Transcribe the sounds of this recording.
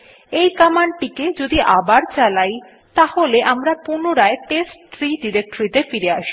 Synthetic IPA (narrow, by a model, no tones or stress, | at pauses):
ejkamaɳʈiked͡ʑod̪iʔabaɾt͡ɕalaj | t̪aholeʔamɾapunoɾaeʈesʈt̪ʰɾiɖiɾek̚ʈoɾit̪efiɾeaʃi̥